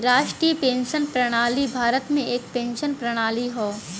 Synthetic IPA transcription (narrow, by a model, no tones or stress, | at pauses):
ɾaːʃʈɾiəpẽːnʃənpɾɐɽ̃aːlibʱaːɾət̪mẽeːk̚pẽːnʃənpɾɐɽ̃aːliɦoː